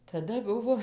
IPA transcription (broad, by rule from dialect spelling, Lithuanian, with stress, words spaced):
tɐˈdɐ ˈbʊʋoː